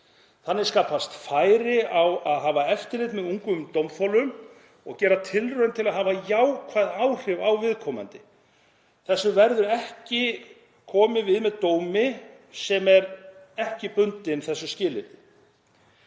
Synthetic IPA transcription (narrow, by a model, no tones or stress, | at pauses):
θanːɪ̥skaːpast̪faːjɾɪawaðɦaːvaɛft̪ɪlɪt̪mɛðuŋkʏmt̪owmfɔlʏm | ɔɣcɛːɾat̪ʰɪlrœnt̪ʰɪlaðɦaːvajawkʰvaːðawr̥ɪvawvɪðkʰɔːma̰nt̪ɪ | θɛsːʏvɛɾðʏɾɛhcɪ | kʰɔːmɪvɪðmɛðt̪oːwmɪ | sɛmɛɾɛhcɪpʏnt̪ɪnθɛsːʏscɪːlɪnɪ